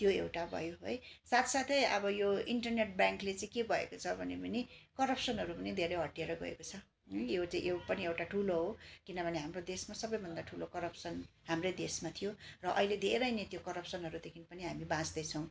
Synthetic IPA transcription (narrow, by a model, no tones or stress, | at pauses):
t̪joewʈabʱʌ̰joɦo̰jsat̪ʰsat̪ʰeʌbʌjoiɳʈʌrneʈ̚bjãŋklet͡sãĩkebʱʌḛkot͡sʰʌbʱʌnebʌnikʌɾʌpsʌnɦʌɾupʌnid̪ʱeɾʌjɦʌʈijeɾʌɡʌ̰ḛkot͡sʰʌ | jot͡sãĩʔewpʌniewʈaʈʰuloɦokinʌbʱʌneɦamrod̪esmasʌbʌjbʱʌnd̪aʈʰulokʌɾʌpsʌn | ɦamrejd̪esmat̪ʰijorʌʔʌiled̪ʱeɾʌjnẽt̪jokʌɾʌpsʌnɦʌɾud̪ekʰinpʌniɦamibãt͡sd̪ʌjt͡sʰʌw̃